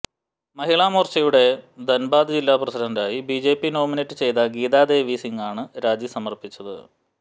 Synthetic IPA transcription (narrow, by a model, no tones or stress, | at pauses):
mɐɦiɭaːmoːrt͡ɕɐjuɽe̞d̪ɐnbaːd̪ɨd͡ʑilːaːprɐsidɐndaːjibid͡ʑe̞ːpːino̞ːminɐtːɨt͡ɕe̞jt̪ɐɡiːðaːd̪e̞ːʋiːsiŋɡaːɳɨɾaːd͡ʑisɐmɐrpit͡ɕːɐðɨ̰